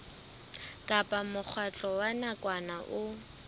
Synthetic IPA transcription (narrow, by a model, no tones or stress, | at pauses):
kʼapʼamʊk͡xʰwat͡ɬʼɔwanakʼwanaʔʊ